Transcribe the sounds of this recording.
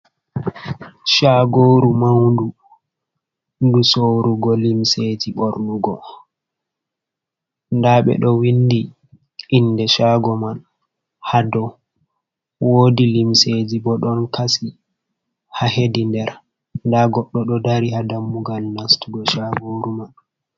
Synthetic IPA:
ʃaɡoɾumawndu | ndusoɾuɡɔlimsed͡ʒiɓoɾnuɡɔ | ndaɓɛ̰ɗɔwindi | ʔːndɛʃaɡɔman | hadɔ | woːdilimsed͡ʒibɔɗɔnkasi | haɦedindɛɾ | ndaɡɔɗːɔɗɔdaɾihadamːuɡalnastuɡɔʃaɡoɾuman

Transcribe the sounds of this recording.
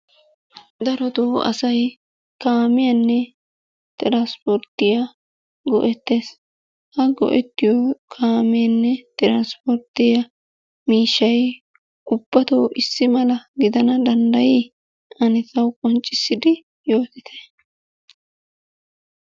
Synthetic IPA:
d̪ɐɾɔt̪oːʔɐ̰sɐj | kaːmɪjɐnːɛ | t̪ʼɪɾaːspɔɾt̪ːɪjɐ | ɡɔʔɛt̪ːe̞ːs | hɐɡɔ̰ʔɛt̪ːɪjɔkʰaːmɪjɐnːɛt̪ʼɪɾanspɔɾt̪ɪjɐ | miːʃːɐj | ʔʊb̥ːɐt̪oːʔɪsːɪmɐlɐɡɪd̪ɐnɐd̪ɐnd̪ɐji | ʔɐnɛtːɐwkʼɔnt͡ʃʼːɪsːɪd̪ɪ | joːt̪ɪt̪ʰe̥

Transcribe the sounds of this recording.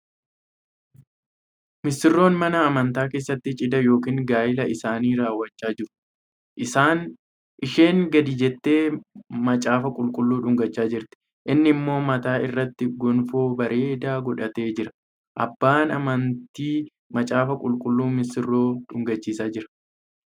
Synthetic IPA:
mɪsɪrːo̞ːnmɐnɐːmɐnt̪aːke̞ːsːɐt̪ːɪt͡ʃʼɪd̪ɐjo̞ːkiːŋɡaːjɪlɐɪsaːniːɾaːwːɐt͡ʃːaːd͡ʒɪɾʊ̥ | ʔɪsaːn | ʔɪʃeːŋɡɐd̪ɪd͡ʒɛt̪ːe̞ːmɐt͡ʃʼaːfɐkʼʊlkʼʊlːuːᶑʊŋɡɐt͡ʃːaːd͡ʒɪɾt̪ɪ̥ | ʔɪnːɪmːo̞ːmɐt̪aːɪrːɐt̪ːɪɡɔnfo̞ːbɐɾe̞ːd̪aːɡɔᶑɐt̪e̞ːd͡ʒɪɾɐ̥ | ʔɐbːaːnɐmɐnt̪iː | mɐt͡ʃʼaːfɐkʼʊlkʼʊlːuːmɪsɪrːo̞ːᶑʊŋɡɐt͡ʃːiːsaːd͡ʒɪɾɐ̥

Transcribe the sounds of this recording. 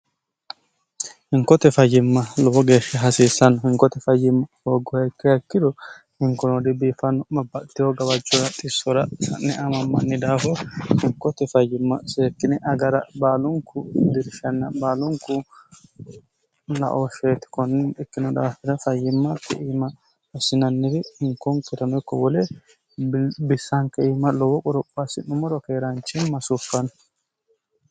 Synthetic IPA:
hɪŋkɔt̪ɛfɐjːɪmːɐlɔwɔɡe̞ːʃːɐɦɐsiːsːɐnːɔhɪŋkɔt̪ɛfɐjːɪmːɐhoːɡɔhɛkːɪhɐkːɪd̪ɔ | hɪŋkɔnɔd̪ɪbiːfɐnːɔmɐbːɐʔt̪ːɪhɔɡɐwɐd͡ʒʊɾɐt̪ʼɪsːɔɾɐsɐnːɛɐmɐmːɐ̰nːɪd̪aːfɔhɪŋkːɔt̪ɛfɐjːɪmːɐ̰seːkːɪnɪʔɐɡɐɾɐbaːlʊŋkʊd̪ɪɾʃɐnːɐbaːlʊŋkʊ | lɐ̰ʔoʃeːt̪ɪ̥kɔnːɪnɪkːɪnɔd̪aːfɪd̪ɐfɐjːɪmːɐt̪ːɪ̰ʔiːmɐ | ɐsɪnɐnːɪɾɪhɪŋkːɔŋkɪɾɐnɔjkːɔwɔlɛ | bɪsːɐŋkɛiːmɐlɔwɔkʼɔɾɔpʼːasɪnʊmɔɾɔkeːɾant͡ʃːɪnmɐsʊfːɐn

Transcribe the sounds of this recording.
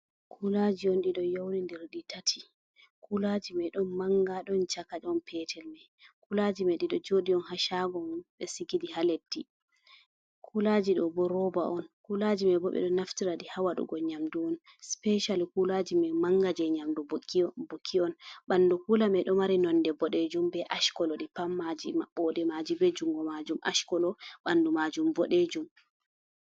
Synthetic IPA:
kʰulad͡ʒiɔnɗiɗɔjowɾindɛɾɗitatʰi̥ | kulad͡ʒimɛɗɔnmaŋɡaɗɔnt͡ʃakad͡ʒɔnpʰɛtʰɛlmɛ | kulad͡ʒimɛɗiɗɔd͡ʒoɗiɔnhaʃaɡɔɓɛsiɡidihaletːi | kʰulad͡ʒiɗɔbɔɾɔbaʔɔnkulad͡ʒimɛbɔɓɛ̰ɗɔnaftiɾaɗihawaɗṵɡɔɲamduɔn | spɛʃalkulad͡ʒimɛmaŋɡad͡ʒɛɲamdubkːibokʰːiɔnɓandukulamɛɗɔmaɾinɔndɛbɔɗed͡ʒumbɛʔaʃkɔlɔɗipamːad͡ʒimaɓːɔdɛmad͡ʒibɛd͡ʒuŋɡɔmad͡ʒumʔa̰ʃkɔlɔɓandumad͡ʒumbɔɗed͡ʒum

